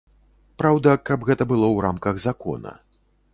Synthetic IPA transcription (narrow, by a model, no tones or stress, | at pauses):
pɾawd̪ɐkɐbɣɛt̪ɐbɨlˠɔwɾamkɐɣzakɔ̰nɐ̰